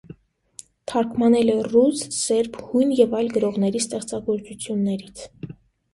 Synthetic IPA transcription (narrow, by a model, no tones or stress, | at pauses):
t̪ʰɑɾkʰmɑnɛlɛrussɛɾpʰhujnjɛvɑjlɡəɾɔʁn̪ɛɾist̪ɛχt͡sɑɡɔɾt͡sut͡sʰjunːɛɾit͡sʰ